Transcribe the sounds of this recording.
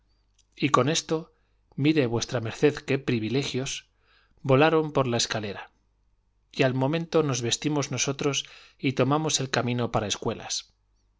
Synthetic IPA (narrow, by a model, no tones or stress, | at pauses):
iko̞ne̞st̪o̞ | miɾe̞βwe̞st̪ɾame̞ɾθe̞ðke̞pɾiβile̞xjo̞s | bo̞laɾo̞mpo̞ɾlae̞skale̞ɾa | ialmõ̞mẽ̞nt̪o̞no̞zβe̞st̪imo̞zno̞so̞t̪ɾo̞s | it̪o̞mamo̞se̞lkamĩno̞paɾae̞skwe̞la̰s